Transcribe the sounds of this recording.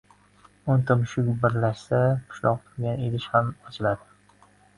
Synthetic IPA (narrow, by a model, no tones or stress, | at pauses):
ʊnt̪ʰɪmʃʊkʲbɪɾlaʃsaqʰʊ̥ʃlɒ̰q̚t̪ʰʊlˠɡʲanelɪʃhamɒt͡ʃʰɪlad̪ɪ